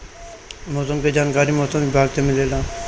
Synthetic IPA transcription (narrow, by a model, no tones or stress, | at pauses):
mɔːsəmked͡ʒaːnkaːɾimɔːsəmʋɪbʱaːɡt̪emɪleːlãː